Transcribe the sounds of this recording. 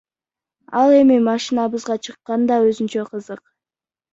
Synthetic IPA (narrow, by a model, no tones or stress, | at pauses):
ɑlˠe̞mimɑʃinɑβɯzʁɑt͡ʃʰɯqːɑnd̪ɑøzynt͡ʃæqʰɯzɯq